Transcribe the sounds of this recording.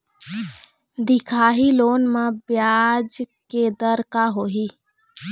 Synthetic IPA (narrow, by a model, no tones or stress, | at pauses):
d̪ɪkʰaːɦiloːnmãbjaːd͡ʒked̪əɾkaɦoːɦiː